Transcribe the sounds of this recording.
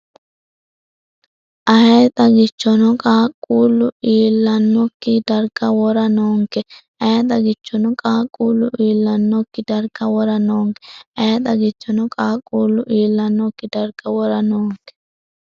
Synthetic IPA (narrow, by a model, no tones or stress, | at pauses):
ʔɐhɛːt̪ʼɐɡɪt͡ʃːɔnɔkʼaːkʼːuːlːʊiːlːɐnːɔkːɪdɐɾɡɐwɔɾɐnoːŋkɛ | ɐɛt̪ʼɐɡɪt͡ʃːɔnɔkʼaːkʼːuːlːʊʔiːlːɐnːɔkːɪdɐɾkɐwɔɾɐnoːŋkɛ̥ɐhɛt̪ʼɐɡɪt͡ʃːɔnɔkʼaːkʼːuːlːʊʔiːlːɐnːɔkːɪdɐɾkːɐwɔɾɐnoːŋkɛ̥